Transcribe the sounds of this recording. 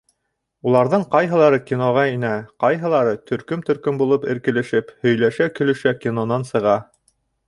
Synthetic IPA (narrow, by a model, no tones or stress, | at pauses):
ulˠɑɾðɤɴqɑjɦɤ̆lˠɑɾɤkʲinoʁɑinæqɑjɦɤ̆lˠɑɾɤt̪ʰɵ̆ɾkɵmt̪ɵ̆ɾkɵmbulˠɤpɘ̆ɾkɘ̆lɘ̆ʃɘphɵ̆jlæʃækɵ̆lɵ̆ʃækʲinonɑnsɤ̆ʁɑ